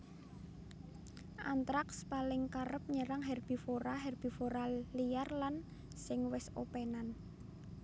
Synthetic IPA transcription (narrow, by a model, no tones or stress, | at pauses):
ʔa̰nt̪ɾakspalɪŋkaɾəp̚ɲəɾaŋɦɛrb̥i̤foɾaɦɛrb̥i̤foɾalijarlan | sɪŋwɪso̰pɛnan